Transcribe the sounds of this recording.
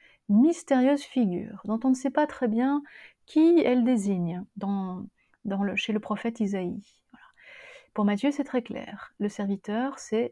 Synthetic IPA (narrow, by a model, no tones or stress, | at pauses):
mist̪eʁjøzfiɡʲy̰ːʁd̪ɔ̃t̪ɔ̃nəsɛpat̪χɛbjɛ̃kʲʰiɛld̪eziɲd̪ɑ̃ | d̪ɑ̃ləʃeləpχɔfɛt̪izai | vwala | puʁmat̪jøsɛt̪χɛklɛ̰ːʁləsɛʁvit̪œːʁsɛ